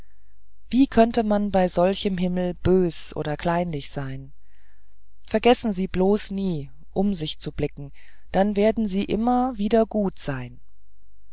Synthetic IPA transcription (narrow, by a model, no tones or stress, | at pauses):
v̥iːkʰœntəmanbaɪzɔlçəmɦɪml̩b̥øːsʔo̰ːdɐkʰl̥aɪnlɪçz̥aɪn | fɛɐɡɛsn̩ziːbloːsniː | ʔʊmzɪçt͡sublɪkŋ̩d̥anveːɐdn̩ziːʔɪ̰mɐviːdɐɡuːtz̥aɪn